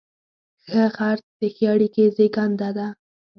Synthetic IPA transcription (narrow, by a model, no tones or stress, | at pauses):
xəxaɾt̪̚d̪̥əxəaɽikezeɡɑnd̪ad̪a